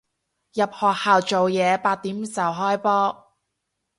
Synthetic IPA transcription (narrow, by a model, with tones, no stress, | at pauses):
jɐ˨p̚hɔː˨k̚haː˨wt͡ʃo˨wjɛː˨˧paː˧t̚t̪iː˨˥m˨˥sɐ˨˩wɦɔː˥jpɔː˥